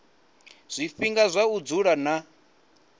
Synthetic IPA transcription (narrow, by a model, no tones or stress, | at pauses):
z̥ʷifiŋɡazʷaud͡zuɺana